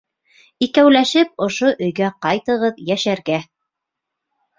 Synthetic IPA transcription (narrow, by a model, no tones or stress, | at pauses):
ikæwlæʃɘp̚ŏʃoʔɵ̆jɡæqɑjt̪ɤ̆ʁɤðjæʃæɾɡæ